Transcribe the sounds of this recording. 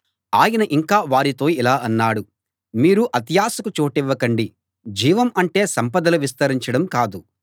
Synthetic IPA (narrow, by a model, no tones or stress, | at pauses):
aːjɐnɐʔiŋkaːʋaːɾit̪o̞ːilaːʔɐnːaːɽu | miːɾuʔɐt̪jaːsɐkut͡ʃoːʈiʋːɐkɐɳɖi | d͡ʒiːʋɐmɐɳʈe̞ːsɐmpɐd̪ɐluʋist̪ɐɾiɲt͡ʃɐɽɐmkaːd̪u